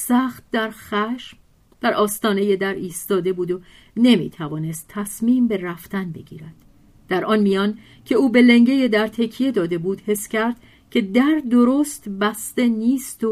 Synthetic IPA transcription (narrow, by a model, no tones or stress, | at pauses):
sæːχt̪̚d̪æɾχæʃm | d̪̥æɾɒːst̪ɒːne̞je̞d̪æɾiːst̪ɒːd̪e̞buːd̪o | ne̞mḭːt̪ʰævɒːne̞st̪ʰːæsmiːmbe̞ræft̪ænbe̞̰ɡḭːɾæd̪̥ | d̪̥æɾʔɒːnmijɒːn | cʰe̞uːbe̞le̞ŋɟe̞je̞d̪æɾt̪ʰe̞cʰije̞d̪ɒːd̪e̞buːd̪he̞sːcæɾd̪̚ | cʰe̞d̪æɾd̪oɾoːst̪bæst̪e̞niːst̪o